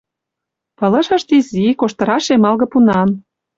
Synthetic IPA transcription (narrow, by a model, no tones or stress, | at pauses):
pɤ̆lɤ̆ʃɤ̆ʃt̪izikoʃt̪ɤ̆ɾɑʃemɑlɣɤ̆punɑm